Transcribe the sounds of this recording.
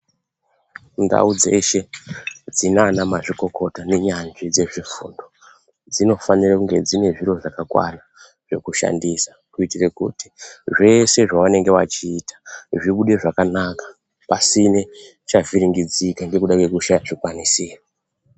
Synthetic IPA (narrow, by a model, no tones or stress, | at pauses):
nda̰ud͡zeʃe̞d͡zinanamaʐiko̞kʰo̞tane̞ɲanʐid͡ze̞ʐifṵːndo̞ | d͡zino̞fanirakuŋɡed͡zine̞ʐiro̞ʐakakwa̰na | ʐ̥e̞̰kuʃa̰ndisakuitirekṵti̥ʐe̞se̞ʐaʋane̞ŋɡe̞wat͡ʃiːtḁʐiɓuɗe̞ʐakanakḁ | pasine̞ | t͡ʃaviɾiŋɡid͡zikaŋɡe̞kuɗakwe̞kuʃaʐikwanisiːa